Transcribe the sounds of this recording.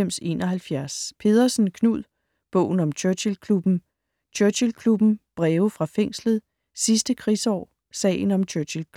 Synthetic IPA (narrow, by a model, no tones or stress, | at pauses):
em̰se̝ːnɒɦælfjæɐspʰe̝ðˠɐsn̩kʰnuð̰ˠ | b̥ɔ̰ʊ̰n̩ɒ̽mt͡ɕʰøɐɕilkʰlub̥n̩ | t͡ɕʰøɐɕilkʰlub̥n̩b̥ʁɛːʊfʁɑ̈feŋ̰slð̩ˠ | sisd̥əkʰʁisɒ̰ː | sɛ̰ːɪn̩ɒ̽mt͡ɕʰøɐɕilkʰ